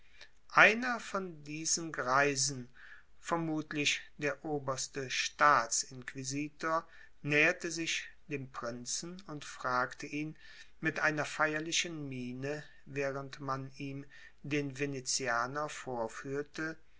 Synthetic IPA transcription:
ʔaɪnɐfɔndiːzənɡʁaɪzn̩ | fɛɐmuːtlɪçd̥eːɐʔoːbɐstəʃtaːt͡sɪnkv̥iziːtoːɐ | nɛːɐtəzɪçd̥eːmpʁ̥ɪnt͡sn̩ʊntfʁ̥aːktəʔiːn | mɪtʔaɪnɐfaɪɐlɪʃənmiːnə | vɛːʁəntmaniːm | deːnvenet͡siaːnɐfoːɐfyːɐtə

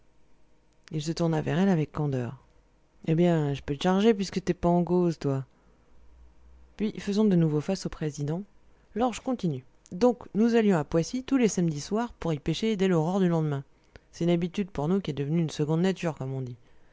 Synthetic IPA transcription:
ilsət̪uʁnavɛʁɛlavɛkːɑ̃d̪œ̰ːʁ | ebjɛ̃ʒəpølʃaʁʒep̬ɥiskət̪yɛpaɑ̃kozt̪wa | pɥifəzɔ̃d̪ənuvofasopχezid̪ɑ̃ | lɔʁʒkɔ̃t̪iny | d̪ɔ̃knuzaljɔ̃apwasit̪ulesamd̪iswaʁpuʁipeʃed̪ɛlɔʁœʁd̪ylɑ̃d̪əmɛ̃ | sɛt̪ynabit̪yd̪puʁnukʲiɛd̪əvənyːnsəɡɔ̃d̪nat̪yʁkɔmɔ̃d̪i

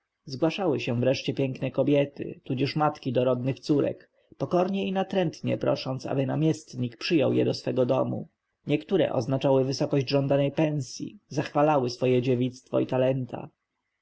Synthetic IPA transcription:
zɡwaʂawɘɕɛ̃vɾɛʂt͡ɕɛpʲjɛŋknɛkɔbʲjɛt̪ɘ̰t̪ud͡ʑɛʂmat̪kʲid̪ɔɾɔd̪nɘxt̪suɾɛ̰k | pɔkɔɾɲɛinat̪ɾɛnt̪ɲɛ̰pɾɔ̰ʂɔnt̪sa̰bɘna̰mʲjɛst̪ɲikpʂɘjɔwjɛd̪ɔsfɛɡɔd̪ɔmṵ | ɲɛkt̪uɾɛ̰ʔɔ̰znat͡ʂawɘvɘsɔkɔʑd͡ʑʐɔnd̪anɛjpɛ̃ñsʲjḭzaxfalawɘsfɔjɛd͡ʑevʲit̪st̪fɔ̰it̪alɛnt̪ʰa̰

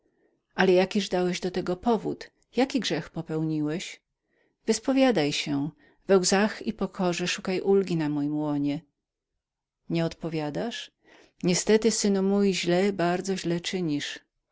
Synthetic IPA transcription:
ʔalɛjakʲiʐd̪awɛʑd̪ɔt̪ɛɡɔpɔvṵt̪ | jakʲiɡʐɛxpɔpɛwɲiwɛɕ | vɘspɔvʲjad̪ajɕɛ | vɛwzaxipɔkʰɔʐɛʂukajʔulɡʲinamɔjimwɔɲɛ | ɲɛɔt̪pɔvʲjad̪aʂ | ɲɛst̪ɛt̪ɘsɘnumujʑlɛbaɾd̪zɔʑlɛt͡ʂɘɲiʂ

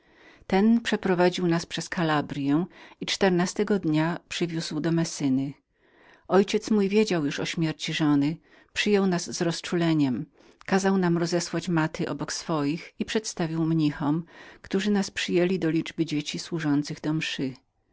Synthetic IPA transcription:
t̪ɛnpʂɛpɾɔvad͡ʑiwnaspʂɛskʰalabɾʲjɛ̃it͡ʂt̪ɛɾnast̪ɛɡɔd̪ɲapʂɘvʲjuzwd̪ɔmɛsɘnɘ | ɔjt͡ɕɛt̪smujvʲjed͡ʑawjuʂɔɕmʲjɛɾt͡ɕiʐɔnɘ | pʂɘjɔwnazːɾɔst͡ʂulɛɲɛm | kazawnamɾɔzɛswat͡ɕmat̪ɘʔɔ̰bɔksfɔjixipʂɛt̪st̪avʲiwmɲixɔmkt̪uʐɘnaspʂɘjelʲid̪ɔlʲid͡ʐbɘd͡ʑet͡ɕiswuʐɔnt̪sɘɣd̪ɔmʂɘ

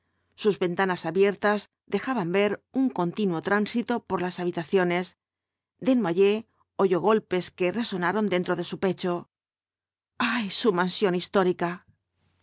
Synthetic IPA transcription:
suzβe̞nt̪anasaβje̞ɾt̪az | ðe̞xaβambe̞ɾuŋko̞nt̪inwo̞t̪ɾansit̪o̞po̞ɾlasaβ̞it̪aθjo̞ne̞s | d̪e̞nwaʎe̞ | o̞ʝo̞ɣ̞o̞lpe̞ske̞re̞so̞naɾo̞nd̪e̞nt̪ɾo̞ðe̞supe̞t͡ʃo̞ | ajsumansjo̞nist̪o̞ɾika

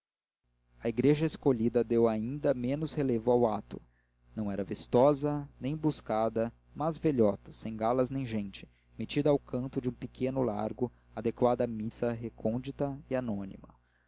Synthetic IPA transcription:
ɐiɡɾeʒɐeskoʎid̪ɐd̪ewaĩnd̪ɐmẽnʊshelevʊawat̪ʊ̰ | nɐ̃w̃ɛɾɐvist̪ɔzɐnẽj̃buskad̪ɐ | mɐzveʎɔt̪ɐ̥sẽj̃ɡalɐznẽj̃ʒẽj̃t͡ʃɪ̥ | met͡ʃid̪ɐawkɐ̃nt̪ʊd͡ʒɪũpikʰẽnʊla̰ɾɡʊ | ad̪ekwad̪ɐmisɐɦekʰõd͡ʒit̪ɐianõnḭmɐ̰

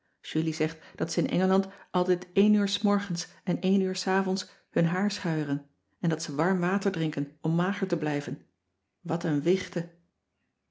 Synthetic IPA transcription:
ʒylizɛχtd̥ɑtsəɪnʔɛ̰ŋəlɑntʔɑlˠtɛjtejnyːɹsmɔɹχəns | ɛnejnyːɹsaːvɔns | hɵnɦaːɹsχœɥrən | ɛndɑtsəʋɑɹmʋaːtəɹdrɪŋkənɔmːaːχəɹtəblɛjvən | ʋɑtənʋɪχtə

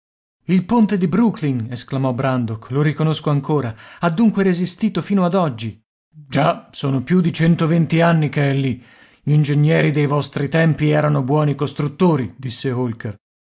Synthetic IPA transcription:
ilpont̪ed̪ibɾukliŋesklamɔbɾand̪okloɾikonoskoaŋkoːɾaad̪ːuŋkweɾezist̪iːt̪ofiːnoad̪ɔd͡ʒːi | d͡ʒasoːnopjud̪it͡ʃɛnt̪ovent̪ianːikeɛlːi | ʎind͡ʒeɲːɛːɾid̪ejvɔst̪ɾit̪ɛmpiɛːɾanobwɔːnikost̪ɾut̪ːoːɾid̪isːeolker

